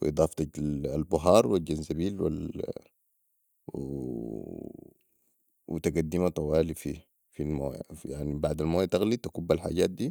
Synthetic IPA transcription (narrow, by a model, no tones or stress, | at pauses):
wḭʔɨd̪ˤɑːft̪ɑalbʊɦɑːɾˤwild͡ʒanzabiːlwḭl | wḭt̪aɡad̪ːimat̪ˤɑwaːlifi | filmo̰ːjjaʕnibaʕd̪almoːjat̪aɣlit̪akubːalħa̰ːɟaːt̪̚d̪iː